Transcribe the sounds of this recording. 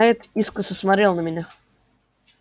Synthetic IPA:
jɪt̪iskəsəsmaɾʲelˠnəmʲɪnʲa

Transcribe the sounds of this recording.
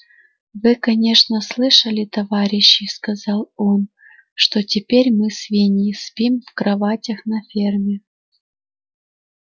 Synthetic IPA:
vɨkɐnʲe̞ʂnəslˠɨʂəlʲɪt̪ɐvaɾʲɪɕːɪjskɐzɑlˠo̞n | ʂt̪o̞tʲɪpʲeɾʲmɨsvʲenʲɪjɪspʲimvkɾɐvatʲɐxnɐfʲermʲɪ

